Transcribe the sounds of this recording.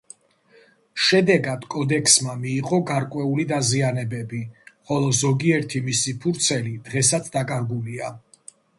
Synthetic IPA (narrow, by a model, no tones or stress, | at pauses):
ʃɛd̪ɛɡad̪̥kʼɔd̪ɛkʰsmamiːqʼɔɡaɾkʼwɛulid̪azianɛbɛbiχɔlˠɔzɔɡiɛɾt̪ʰimisipʰuɾt̪sʰɛlid̪̥ʁɛsat̪ʰd̪akʼaɾɡulia